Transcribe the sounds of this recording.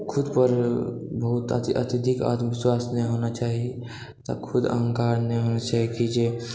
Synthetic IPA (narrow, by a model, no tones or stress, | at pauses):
kʰʊd̪pəɾbəɦut̪ə̰t̪iʔə̰t̪id̪ʱika̰t̪ʋɪswaːsneɦonat͡ʃaːɦi | t̪ə̰kʰʊd̪ə̰ŋkaːɾneɦonat͡ʃaːɦikid͡ʒe